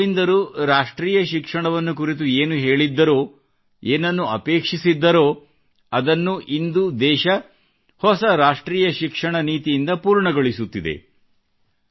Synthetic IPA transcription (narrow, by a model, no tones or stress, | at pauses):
ind̪ɐɾuːɾaːʂʈɾiːjɐʃikʂɐɳɐʋɐnːukuɾit̪ueːnuɦe̞ːɭid̪ːɐɾo̞ː | eːnɐnːuɐpe̞ːkʂisid̪ːɐɾo̞ː | ɐd̪ɐnːuʔind̪ud̪ɛːʃɐ | hɔsɐɾaːʂʈɾiːjɐʃikʂɐɳɐniːt̪ijind̪ɐpuːɾɳɐɡɐɭisut̪ːid̪e̞̰